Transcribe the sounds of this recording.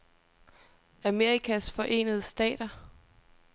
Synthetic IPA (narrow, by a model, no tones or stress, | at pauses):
æme̝ʁikʰæsfɒ̽ʔe̝̰ːnəð̞̩ˠəsd̥ɛ̰ːd̥ɐ